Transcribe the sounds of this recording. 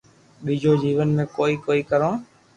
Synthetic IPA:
ɓiːd͡ʒoːd͡ʒiːʋənmẽːkoːiːkoːiːkəɾõː

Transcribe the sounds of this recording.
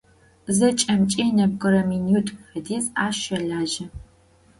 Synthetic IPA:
zɐt͡ʃʼɐmt͡ʃʼiːnɐmkʼɨɾɐminutʼfɐdiːzaːʃɐɮaːʒɐ

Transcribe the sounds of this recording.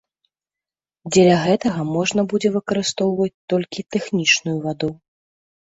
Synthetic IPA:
d͡zʲɛlʲɐɣɛt̪ɐɣɐmɔʐnɐbud͡zʲɛvɨkɐɾɨst̪ɔwvɐt͡sʲt̪ɔlʲkʲit̪ɛxnʲit͡ʂnujuvad̪u

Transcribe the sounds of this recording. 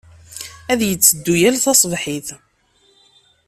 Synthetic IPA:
æðjət͡sːəd̪ːujælθɑsˤvħiθ

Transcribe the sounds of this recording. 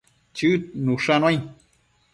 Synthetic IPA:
t͡ʃɨt̪̚nuʂanwaj

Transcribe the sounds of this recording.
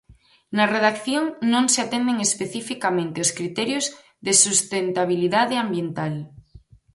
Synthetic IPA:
nɐreðakθjoŋnõŋseat̪end̪eŋespeθifikamẽnt̪eoskɾit̪ɛɾjoz | ðesust̪ent̪aβ̞iliðaðeambjent̪al

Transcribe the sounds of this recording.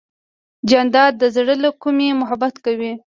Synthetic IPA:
d͡ʒand̪ɑd̪̚ːəzɽəlokumemʊɦabat̪kawi

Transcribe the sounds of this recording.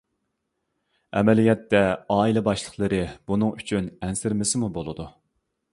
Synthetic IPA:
ɛ̰mɛlijɛt̪ːɛɑːilɛbɑʃlˠəχlˠəɾɨbunɨŋyt͡ʃʰynɛnsɪɾmɪsɪmubolˠɨd̪u

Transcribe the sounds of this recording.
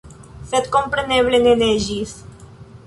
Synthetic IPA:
set̪̚kompɾeneβleneneʒis

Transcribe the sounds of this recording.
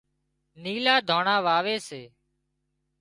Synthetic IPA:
niːlaːd̪ʱoːɳaːʋaːʋeːseː

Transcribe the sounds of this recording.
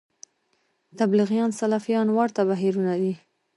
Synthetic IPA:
t̪ablɪɣjɑnsalɑfijɑnwaɾt̪aβaɦiɾunad̪i

